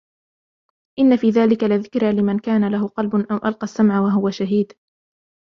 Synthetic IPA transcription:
ʔɪnːafiːðaːlɪkalɪðɪkɾalɪmankaːnalahʊqɑlbʊnʔawʔalqɑsːamʕawaɦʊwaʃaɦiːd̪

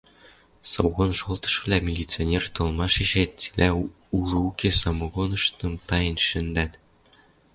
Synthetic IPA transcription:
sɤwɣonʃolˠt̪ɤ̥̆ʃvʲlʲæmʲilʲit̪t͡sɨonʲert̪ɤ̆lˠmɑʂiʑætʲi̥lʲæ | ulɤ̆ukʲesɑmɤ̆ɣonɤ̆ʃt̪ɤ̆mt̪ɑjɤ̆nʃɘ̆nd̪æt̪ʲ

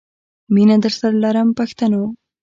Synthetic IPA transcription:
minad̪əɾsaɾalaɾəmpaxt̪ano

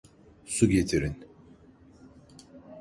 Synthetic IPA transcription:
suɟet̪ʰiɾin

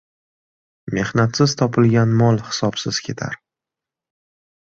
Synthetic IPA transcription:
me̞hnat̪sɪzt̪ʰɒpʰɪlɡʲanmɒlˠhɪ̥sɒpsɪz̥kʲʰe̞t̪ʰa̰ɾ

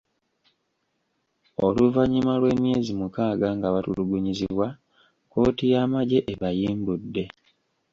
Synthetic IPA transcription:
o̞luvaɲimalwe̞ːmje̞ːzimukaːɡaŋɡaβatuluɡuɲiziβwa | ko̞ːtijaːmaɟe̞ʔeβajiːmbudːe̞

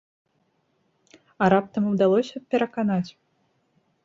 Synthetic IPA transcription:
ɐɾap̚t̪ɐmɨwd̪alˠɔsʲɐpʲɛɾɐkanat͡sʲ

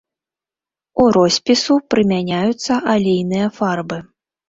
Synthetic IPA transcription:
uɾɔsʲpʲisupɾɨmʲanʲajut̪sːɐʔalʲejnɨjɐfarbɨ

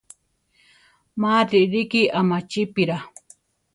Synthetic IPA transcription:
maɾiɾikiʔamat͡ʃipiɾa

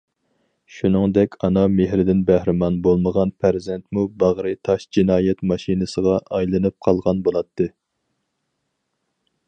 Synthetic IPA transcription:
ʃunɨŋd̪ɛkʲɑnɑmeɦɾɪd̪ɪnbæhɾɪmɑnbolˠməʁɑnpʰæɾzɛnt̪mubɑʁɾɨt̪ʰɑʃd͡ʒinɑːjɛt̪mɑʃinɨsəʁɑʔɑjlˠɨnɨp̚qʰɑlˠʁɑnbolˠɑt̪ʰːɨ

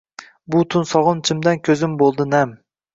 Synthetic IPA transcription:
bʊt̪ʰʊnsɒʁʊnt͡ʃʰɪmd̪ankʲʰɵzɪmbolˠd̪ɪnɛm

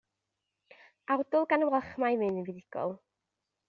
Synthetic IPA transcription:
awdʊlˠɡanəwɛχmajmɨnɨnviðɪɡ̥ɔ̰lˠ

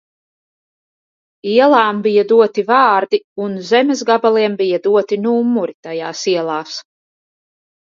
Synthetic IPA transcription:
iɛlˠaːmbijad̪uɔt̪ivɑːɾd̪iunzɛmes̬ɡabalˠiɛmbijad̪uɔt̪inuːmːuɾit̪ajaːsiɛlˠɑːs

